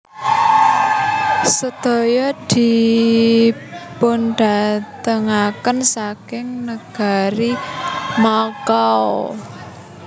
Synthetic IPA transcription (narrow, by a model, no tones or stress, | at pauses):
səd̪̥o̤jɔd̪̥i̤ | pʊnɖ̥a̤t̪əŋakənsakɪŋnəɡ̥a̤ɾimɔkaɔ